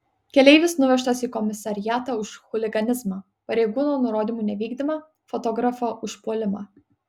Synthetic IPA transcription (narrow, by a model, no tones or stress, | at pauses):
kʲɛlʲɛɪʋʲɪsnʊʋʲɛʃt̪ɐsiːkɔmʲɪsɐɾʲɪjæːt̪ɐʊʃxʊlʲɪɡɐnʲɪzmɑː | pɐɾʲɛɪɡuːnoːnʊɾoːd̪ʲiːˑmuːnʲɛʋʲiːɡd̪ʲɪmɑ | fɔt̪ɔɡɾɐfɐʔʊʃpuɔlʲɪmɑ̰ː